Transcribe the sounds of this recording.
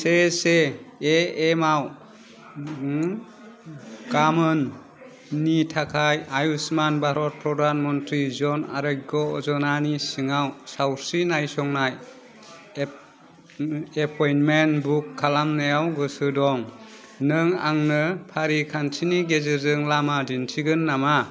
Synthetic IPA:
seseː | maw | kamɯnː | itʰakʰajajusmanbaɾɔt̚pʰɾɔdanmɔntɾizɔna̰ɾɯj̚ɡɔɔzɔnanisɯŋawsawɾsinajsɔŋnaj | epʰɔjnmenbukʰːalamnajawɡɯsɯdɔŋ | nɯŋa̰ŋnɯpʰaɾikʰansʰiniɡezɯzɯŋlamadinsʰiɡɯnːama

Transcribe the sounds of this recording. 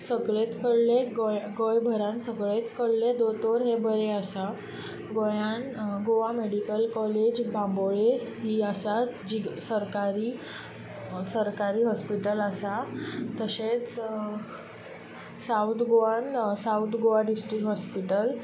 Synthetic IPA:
səɡɭet̪kəɽleɡojɡojbʱəɾãnsəɡɭet̪kəɽled̪ot̪oɾɦebəɾeəsa | ɡojanɡoʋameɽikəlkɔled͡ʑbʱãmboɭeɦiːəsad͡ʑisəɾkaɾiː | səɾkaɾiːɦɔspiʈələsat̪əset͡s | sawt̪ɡoʋãnsawt̪ɡoʋaɖisʈɾikɦɔspiʈəl

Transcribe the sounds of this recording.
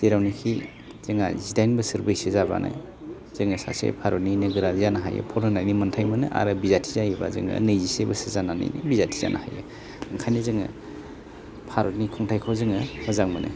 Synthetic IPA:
d̥eɾawnikʰi | z̥ɯŋazidajnbɯsɯɾbɯjsɯzaba̰nʔa̰j | zɯŋɯsa̰sḛpʰaɾotninɯɡɯɾazizanaɦa̰jɯ̰pʰɔɾnɯnajnimɐntʰajmɯnɯ̰ʔa̰ɾɯbizatʰizajiba̰zɯ̰ŋɐ̰nɯjzisebɐsɯzanana̰jnḭbizatʰiza̰nʔa̰hajɯ̰ | aŋkʰajnizɯŋɯ̰ | pʰaɾot̚nikʰɔŋtʰajkʰɔzɯŋɯmɐzaŋmɯnɯ̰

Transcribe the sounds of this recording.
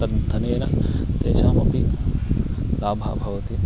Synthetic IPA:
ɐt̪ɐnenɐ̰t̪eːʃaːmɐpi | laːbʱa̰ːbʱɐʋɐt̪i

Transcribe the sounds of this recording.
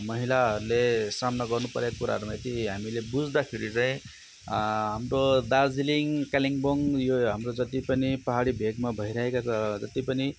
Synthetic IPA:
mʌɦilaɦʌɾulesamnaɡʌrnupʌɾekakuɾa̰ɦʌɾumajt̪iɦamilebud͡zd̪akʰeɾit͡saĩ | ɦamɾod̪ad͡ziliŋkaliŋboŋjoɦamɾod͡zʌt̪ipʌnipʌɦaɽibʱeɡmabʱʌiɾʌɦekakuad͡zʌt̪ipʌni

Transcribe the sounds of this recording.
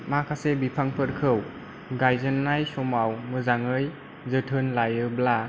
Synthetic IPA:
makʰasebipʰaŋpʰɯɾkʰɯw | ɡajzɯnːajsɔmawmɯzaŋɯj | zɯtʰɯnlajɯbla

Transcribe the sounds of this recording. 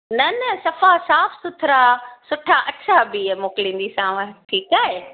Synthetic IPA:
nɐnɐsɐfasaːfʰsʊt̪ʰɪɾasʊʈʰaʔɐʃʰabimoːkɪlĩːn̆d̪isãːʋə̃ʈʰiːkaːɦeː

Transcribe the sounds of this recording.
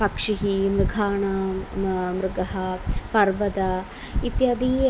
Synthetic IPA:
pɐkʂiɦimɾɪɡʱaːɳa | mɾɪɡɐɦɐpɐɾʋɐd̪ɐ | it̪jɐd̪i

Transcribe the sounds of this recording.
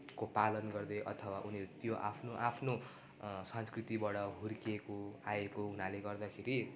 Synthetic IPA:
kopalʌnɡʌrd̪ʌʔʌ̰t̪ʰʌwaʔuneɾut̪joʔa̰pʰnoʔapʰno | sʌnskrit̪ibʌɽʌɦuɾkekoaekounaleɡʌrd̪akʰeɾi

